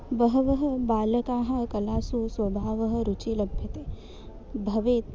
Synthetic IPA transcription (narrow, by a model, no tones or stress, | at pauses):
bɐɦɐʋɐɦɐbaːlɐkaːɦɐkɐlaːsuswɐbʱaːʋɐɦɐ̆ɾut͡ʃilɐbʱjɐt̪eː | bʱɐʋeːt̪̚